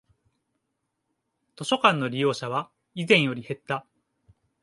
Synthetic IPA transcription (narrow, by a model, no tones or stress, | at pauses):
t̪o̞ɕo̞kãnːo̞ɾʲijo̞ːɕaβa | izẽ̞ɰ̃jo̞ɾʲihe̞t̪ːa